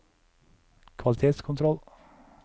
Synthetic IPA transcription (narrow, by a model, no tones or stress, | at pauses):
kʰʋɑlɪt̪ʰeːt̪skʰʊnt̪ʰɾɔl